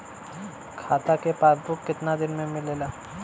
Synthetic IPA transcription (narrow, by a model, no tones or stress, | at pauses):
kʰaːt̪akepaːsbʊkːɪt̪nad̪ɪnmẽmɪleːlaː